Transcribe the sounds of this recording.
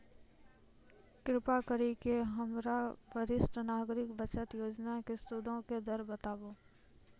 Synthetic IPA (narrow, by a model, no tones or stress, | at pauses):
kɾɪpakəɾikeɦəmɾabəɾɪsʈənaːɡɾɪkbət͡ʃət̪joːd͡ʒnakest̪ud̪ʱõked̪əɾbət̪aːboː